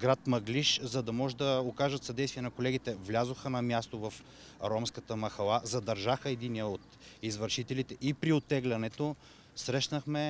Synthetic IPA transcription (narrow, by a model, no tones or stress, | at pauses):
ɡɾat̪mɐɡliʃzɐd̪ɐmɔʒɛd̪ɐokaʒət̪sɐd̪ɛjst̪viɛnɐkolɛɡʲit̪ɛvlʲazoxənɐmʲjast̪ovɐf | ɾɔmskət̪əmɐxɐlˠazɐd̪ɐɾʒaxəɛd̪iniəot̪ | izvəɾʃit̪ɛlit̪ɛʔipɾiot̪ːɛɡlʲɐnɛt̪o | sɾɛʃnəxmɛ